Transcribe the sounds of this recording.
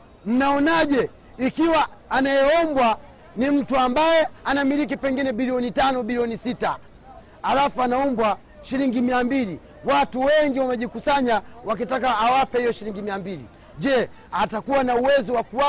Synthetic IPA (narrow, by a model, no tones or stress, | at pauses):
m̩naɔnaʄɛ | ikiwaːnajɛɔmbwa | nim̩tuambajɛanamilik̬ipɛŋɡinɛɓiliɔnitanɔɓiliɔnisita | halafuanaɔmbwa | ʃiliŋɡimiambili | watuwɛŋɡiwamɛʄikusaɲawak̬itakaːwapɛhijɔʃiliŋɡimiambilḭ | ʄɛ | atakuwanauwɛzɔwakuwa